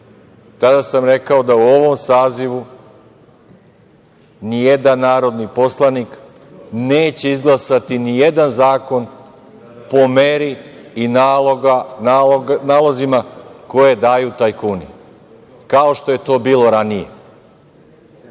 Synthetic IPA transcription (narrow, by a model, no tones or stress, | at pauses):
t̪ad̪asamɾe̞kao̞d̪auo̞ʋo̞msaːziʋu | nije̞d̪anːaːɾo̞d̪nipo̞slˠanik | neːt͡ɕe̞izɡlˠasat̪inije̞d̪anzaːko̞n | po̞me̞ɾiːnaːloɡananaːlˠozimako̞je̞d̪aːjut̪ajkuni | kao̞ʃt̪o̞je̞t̪o̞ːbiːlo̞ɾanije̞̰